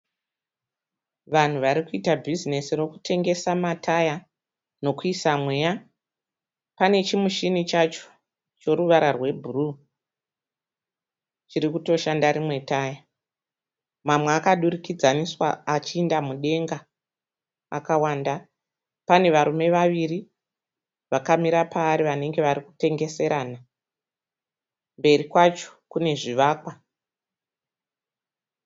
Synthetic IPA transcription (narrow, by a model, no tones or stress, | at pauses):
ʋan̤uʋaɾikuitabʱizine̞siro̞ku̥tʰe̞ŋɡe̞samatʰaja | no̞kuisamwe̞ja | pane̞t͡ʃimuʃinit͡ʃat͡ʃo̥ | t͡ʃo̞ɾuʋaɾarwe̞bʱuru | t͡ʃiɾikuto̞ʃandaɾimwe̞taːja | mamweakaɗurikid͡zaniswa̰at͡ʃiːndamuɗe̞ŋɡa | a̰kawaːnda | pane̞ʋaɾume̞ʋaʋiri | ʋakamiɾapaːɾiʋane̞ŋɡe̞ʋaɾiku̥te̞ŋɡese̞ɾana | mbe̞ɾikwat͡ʃo̥kune̞ʐiʋaːkwa